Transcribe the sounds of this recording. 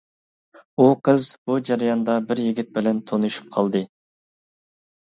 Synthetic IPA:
uqʰəzbud͡ʒɑɾɑjɑnd̪ɑbɪɾjiɡʲɪt̪̚bɪlɛnt̪ʰonuʃu̥p̚qʰɑlˠd̪ɨ

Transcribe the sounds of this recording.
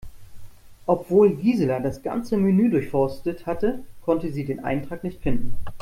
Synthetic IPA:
ʔɔpv̥oːlɡiːzəlɐdasɡ̥a̰nt͡səmenyːdʊɐçfɔɐstəthatəkʰɔntəziːdeːnʔa̰ɪntʁ̥aːknɪçtfɪndn̩

